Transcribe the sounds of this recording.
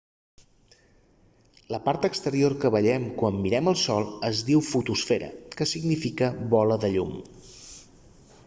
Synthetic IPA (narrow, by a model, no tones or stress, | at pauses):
ləpaɾt̪əkst̪əɾioɾkəβəʎɛmkwamːiɾɛməlˠsɔlˠəzd̪iwfut̪usfɛɾə̰kəsiɡnifikəβɔləðəʎum